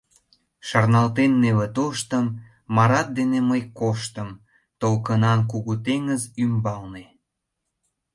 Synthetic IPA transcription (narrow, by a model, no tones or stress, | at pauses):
ʃɑrnɑlt̪enːeβət̪oʃt̪əmː | ɑɾɑt̪̚d̪eneməjkoʃt̪əm | t̪olkənɑnk̬uɣut̪eŋəzymbɑlne